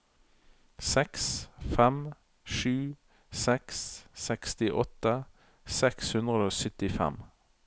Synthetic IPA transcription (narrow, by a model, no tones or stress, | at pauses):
sɛksfɛm | ʃʉː | sɛksːɛkst̪ɪʔɔt̪ə | sɛkshʉnd̪ʁəoːsʏt̪ɪfɛ̰m